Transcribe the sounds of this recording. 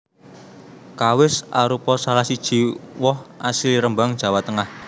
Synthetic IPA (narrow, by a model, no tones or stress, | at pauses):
kawɪsaɾupɔsalahsid̥ʒ̥i̤wɔhasiliɾəmbaŋd̥ʒ̥ä̤wat̪əŋah